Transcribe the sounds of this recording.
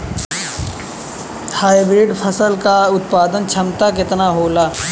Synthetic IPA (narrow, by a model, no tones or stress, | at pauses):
haːjbɾɪːɖpʰəsəlkaʊt̪̚paːd̪ənt͡ʃʰɐmt̪ak̬ɪt̪naɦoːlaː